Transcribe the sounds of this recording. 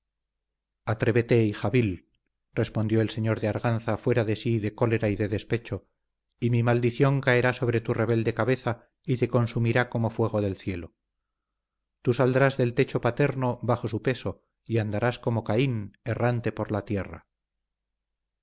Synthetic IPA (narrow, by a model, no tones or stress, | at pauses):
at̪ɾe̞βet̪e̞ixaβil | rre̞spond̪jo̞else̞ɲo̞ɾðeaɾɣanθafwe̞ɾaðe̞siðe̞ko̞le̞ɾaiðe̞ðe̞spe̞t͡ʃo̞ | imimald̪iθjo̞ŋkae̞ɾaso̞β̞ɾe̞t̪ure̞β̞e̞ld̪e̞kaβe̞θa | it̪e̞ko̞nsumiɾako̞mo̞fwe̞ɣ̞o̞ðe̞lθje̞lo̞ | t̪usald̪ɾazðe̞lt̪e̞t͡ʃo̞pat̪e̞ɾno̞βaxo̞supe̞so̞ | iand̪aɾasko̞mo̞kaine̞rant̪e̞po̞ɾlat̪je̞ra̰